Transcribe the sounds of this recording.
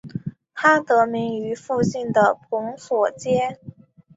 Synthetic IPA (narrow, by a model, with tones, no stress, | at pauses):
t̪ʰa˥t̪ɤ˧˥mi˧˥ŋy˧˥fu˥˧ɕi˥˩nd̪ə˩pʰʊ˧˥ŋswɔ˨˩t͡ɕjɛ˥